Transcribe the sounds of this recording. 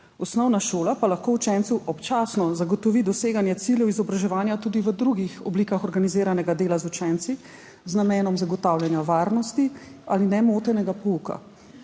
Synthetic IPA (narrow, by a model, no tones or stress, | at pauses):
ɔsnɔwnaʃoːlapalaxkoːut͡ʃɛnt̪suʔɔpt͡ʃaːsnɔzaɡɔt̪ɔʋid̪ɔseːɡanjɛt̪siljɛwizɔbɾaʒɛʋaːnjat̪uːd̪iʋəd̪ɾuɡixɔbliːkaxɔɾɡanizeːɾanɛɡad̪eːlazut͡ʃɛnt̪si | znamɛːnɔmzaɡɔt̪awljanjaʋaːɾnɔst̪ialinɛmoːt̪ɛnɛɡapɔuːka̰